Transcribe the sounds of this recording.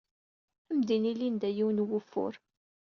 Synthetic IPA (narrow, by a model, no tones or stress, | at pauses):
æmd̪inilind̪æjiwnwʊfːʊ̰ɾ